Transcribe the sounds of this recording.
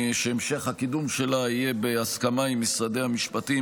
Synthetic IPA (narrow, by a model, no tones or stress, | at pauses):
ʃeemʃe̞χhakid̪umʃe̞laijebeaskamaimːisʁad̪ehamiʃpat̪i